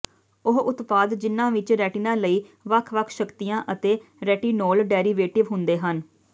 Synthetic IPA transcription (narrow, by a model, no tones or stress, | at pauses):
ʊɦʊt̪paːd̪d͡ʒɪnːãːʋɪt͡ʃɾɛːʈiːnãːləiːʋəkʰʋəkʰʃəkt̪ijãːʔət̪eːɾɛːʈiːnoːlɖɛːɾiːʋeːʈɪʋɦʊnd̪eːɦən